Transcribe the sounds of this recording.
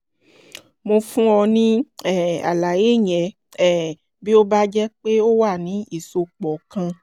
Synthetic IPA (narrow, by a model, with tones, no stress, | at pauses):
mo˧fũ˦ɔ˧nĩ˦ɛ˦˨a̰˨la˨je˨˦˨ɲ̃˨ɛ˨˦ | ɛ˦˨ | bi˦o˦ba˦d͡ʒɛ˦k͡pe˦o˦wa˦˨nĩ˨˦i˦˨so˧k͡pɔ˨kã˧